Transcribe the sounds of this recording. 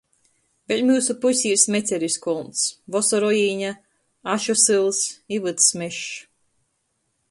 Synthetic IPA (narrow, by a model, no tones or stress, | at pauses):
velʲmʲuːsupusʲiːɾsmʲet̪sʲeɾiskɔlˠnt̪svɔsɔɾɔjiːɲa | aʃɔsɨlˠsivɨt̪smɛʃ